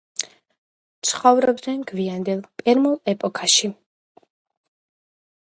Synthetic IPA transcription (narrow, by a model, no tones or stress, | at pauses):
t̪sʰχɔvɾɔb̚d̪nɛnɡviand̪ɛlˠpʼɛɾmulˠɛpʼɔkʰaʃi